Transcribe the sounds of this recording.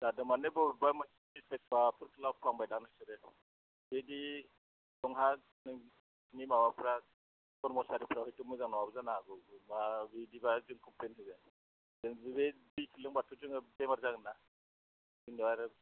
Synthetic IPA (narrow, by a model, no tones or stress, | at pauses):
dadɯmanebɔbamɯsiisek̚t̚bapʰɯɾkʰɯlakʰlaŋbajdaŋnɯsɯɾe | bedi | dɔŋɦa | nɯŋ | nimawapʰɾa | kɔɾmɔsaɾipʰɾahɯjtɯmɯzaŋnɔwabɯzanaɡɔmabidibazɯŋkʰɔmplenɦɯjza | zɯŋbibebikʰilɯŋbatʰuzɯŋɯbemaɾzaɡɯnːa | zɯŋniaɾɯ